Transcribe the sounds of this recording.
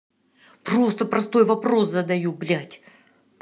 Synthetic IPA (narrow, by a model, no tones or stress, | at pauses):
pro̞st̪əpɾɐst̪o̞jvɐpɾo̞szəd̪ɐjublʲatʲ